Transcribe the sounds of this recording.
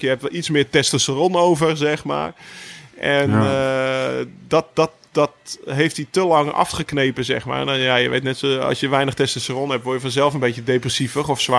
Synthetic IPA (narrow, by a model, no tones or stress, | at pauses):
jəhɛptʋɛlˠitsmɪːtɛstəsəronowvərzɛxma̰ːrʔɛn | dɔt̚dɔt | dɔtɦejftditəlɑŋɑ̰fχəkneːpənzɛ̰xma̰ːrnjajəʋḛːtnɛtsoɑ̰sjəʋɛjnəxtɛstasəronɦɛp̚tʋoːjəfɔnzɛlˠfənbetjədeːprəsifəχɔfsʋa